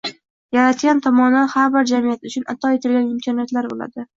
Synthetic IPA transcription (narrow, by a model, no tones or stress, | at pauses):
jaɾat̪ɡʲant̪ʰɒmɒnd̪anhaɾbɪɾd͡ʒamijat̪ʊt͡ʃʰʊnat̪ʰɒet̪ʰɪlɡʲanɪmkʲʰɒnijat̪laɾbo̰la̰d̪ɪ